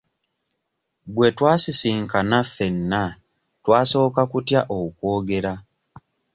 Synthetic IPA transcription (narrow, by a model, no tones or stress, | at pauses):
bwe̞twaːsisiːŋkanafe̞nːa | twaːso̞ːkakutjaʔoukwo̞ːɡe̞ɾa